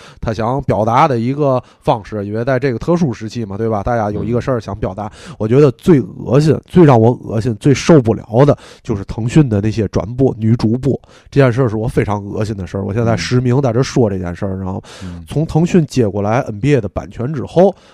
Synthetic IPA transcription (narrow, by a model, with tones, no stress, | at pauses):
t̪ʰa˥ɕjɑ˧˥ŋpjɑ˨˩ʊt̪a˧˥d̪ə˨i˧˥ɡə˧ | fɑ˥˧ŋʂɻ̩˥˩i˨˩we˧ɪt͡sa˥˧ɪʈ͡ʂɤ˥˩ɡə˩t̪ʰɤ˥˧ʂ̬u˥˩ʂɻ̩˧˥t͡ɕʰi˥˩mɐ˨˩we˥˩ɪbɐ˩t̪a˥˩t͡ɕja˥˩jo˨˩ʊi˧˥ɡə˧ʂə˞˥˩ɕjɑ˧˥ŋpjɑ˨˩ʊt̪a˧˥wɔ˨˩t͡ɕɥɛ˧˥d̪ə˧t͡swe˥˩ɪɣɤ̰˧˥ɕ̬i˥˧˩nt͡swe˥˧ɪɻɑ˥˩ŋwɔ˧˥ɣɤ̰˧˥ɕi˥˧nt͡swe˥˧ɪʂo˥˧ʊp̬u˥˩ljɑ̰˧˥ʊd̪ə˧t͡ɕjo˥˧ʊʂɻ̩˥˩t̪ʰɤ˧˥ŋɕy˥˩nd̪ə˩na˥˩ɪɕjɛ˥ʈ͡ʂwa̰˧˥npwɔ̰˥˩ny˧˥ʈ͡ʂu˧˥p̬ɔ˥˩ | ʈ͡ʂɤ˥˧t͡ɕjɛ˥˧nʂ̬ə˥˧ʂɻ̩˥˩wɔ˨˩fe˥ɪʈ͡ʂʰɑ˧˥ŋɣɤ̰˧˥ɕi˥˩nd̪ə˩ʂə˞˥˩wɔ̰˨˩ɕjɛ˥˧nt͡sa˥˩ɪʂɻ̩˧˥mi˧˥ŋt͡sa˥˩ʈ͡ʂə˧˥ʂwɔ˥˧ʈ͡ʂɤ˥˧˩t͡ɕjɛ̰˥˧nʂə˞˥˩ɻa˧˥nxo˥˩ʊt͡sʰʊ˧˥ŋt̪ʰɤ˧˥ŋɕy˥˩nt͡ɕjɛ˨˩kwɔ˥˩la˧˥ɪʔə̰˨˩npjɛ˥˩d̪ə˩pa̰˨˩nt͡ɕʰɥɛ˧˥nʈ͡ʂɻ̩˨˩xo˥˧˩ʊ